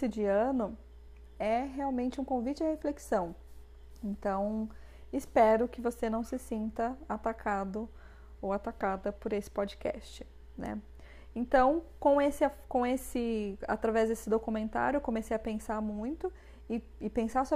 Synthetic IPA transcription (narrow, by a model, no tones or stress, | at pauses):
ɪd͡ʒiɐ̃nʊ | ɛɦeawmẽnt͡ʃɪũkõvit͡ʃɪahefleksɐ̃w̃ | ẽnt̪ɐ̃w̃ | ɪspɛɾʊkɪvosenɐ̃w̃sɪsĩnt̪ɐat̪akʰad̪ʊ | owat̪akad̪ɐpoɾesɪ̥pod͡ʒikɛ̰st͡ʃɪ̥ | nɛ̰ | ẽnt̪ɐ̃w̃kõesɪakõesɪa̰t̪ɾavɛzd̪esɪd̪okumẽnt̪a̰ɾjʊekõmesejɐpẽsaɾmũj̃t̪ʊ | ɪ | ɪpẽsaɾso